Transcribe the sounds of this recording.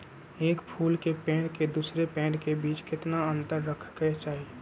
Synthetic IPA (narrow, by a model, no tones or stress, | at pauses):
eːkpʰuːlkepɛ̃ːɖked̪uːsɾepẽːɖkebiːt͡ʃkɪt̪naə̃nt̪əɾːəkʰket͡ʃaːɦi